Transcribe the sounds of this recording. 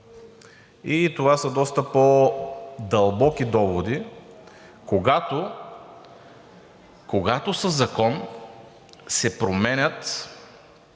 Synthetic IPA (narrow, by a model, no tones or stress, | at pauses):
it̪ovasəd̪ɔst̪əpo | d̪ɐlˠbɔkid̪ɔvod̪i | koɡat̪o | koɡat̪osəzːɐkɔn | sɛpɾomɛnʲət̪